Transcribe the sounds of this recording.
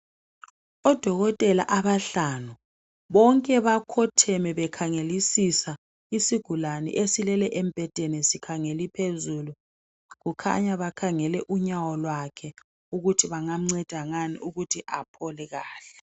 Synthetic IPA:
ɔd̥ʱɔɣɔtʼɛla̰ʔaβaɬanu | βɔŋkʼɛβakʰɔtʰɛmɛβɛkʰaŋelisisa | isiɡ̥ʱulanḭʔesilɛlɛʔem̩b̥ʱɛd̥ʱenɛsikʰaŋelipʰezulu | ɣukʰa̰ɲaβakʰaŋɛlɛʔuɲawɔlwakʰɛ | uɣutʰiβaŋam̩ŋ͡ǀɛd̥ʱaŋaniʔuɣutʰiʔapʰɔlɛɣaːɬɛ̥

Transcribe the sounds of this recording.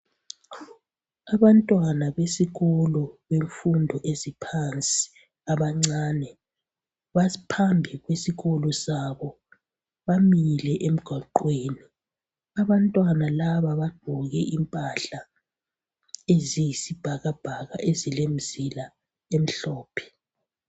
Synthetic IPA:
aβantʼwanaβesiɣɔlɔβeɱfundʱɔʔezipʰant͡sʼi̥ | aβaŋ͡ǀaːnɛ | βapʰambʱiɣwesiɣɔlɔsaβɔ | βamilɛʔem̩ɡ̥ʱaǃweːni | aβantʼwanalaβaβaɡ͡ǃ̥ʱɔɣɛʔimpʼaɬa | ezijisib̥ʱaɣab̥ʱaɣa̰ʔezilem̩zila | em̩ɬɔːpʰɛ̥

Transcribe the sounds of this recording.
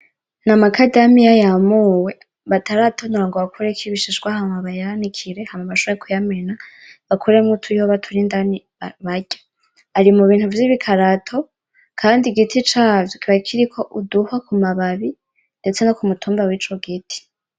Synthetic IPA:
namakʰadamijajamuwe̞ | βatʰaɾatʰonuɾaŋɡoβakʰuɾekʰiβiʃiʒɡwahamaβajanikʰiɾe̞hamaβaʃoβeɾekʰujame̞na | βakʰuɾemutʰuihoβatʰuɾindani | aβaɟḁ | aɾimuβiːn̥huvjiβikʰaɾatʰo̞ | kʰaːndiɡitʰit͡ʃaːvjokʰiβakʰiɾikʰo̞ʔuduhakumaβaβi | nde̞t͡se̞nokumutʰuːmbawit͡ʃo̞ɡitʰi̥

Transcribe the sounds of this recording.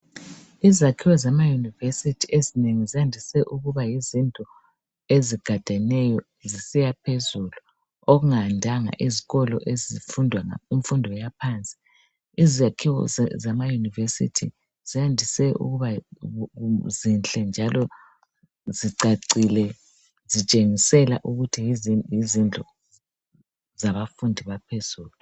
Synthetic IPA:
izakʰiwɔzamajunivesitʰiʔezineŋizijandʱisɛʔuɣuβajizintʼɔ | eziɡ̥ʱad̥ʱanɛjɔ | zisijapʰezulu | oɣuŋandʱaŋa̰ʔiziɣɔlɔ̰ʔezifundʱwaiɱfundʱɔjapʰant͡sʼi̥ | izakʰiɣɔ̰zamajunivesḭtʰi | z̥iandʱisɛʔṵɣuβa | zinɬʼɛnd͡ʒʱalɔ | ziǀaǀilɛ | zit͡ʃʼeŋisɛla̰ʔuɣutʰijizind͡ɮʱɔ | zaβafundʱiβapʰez̥uːlu

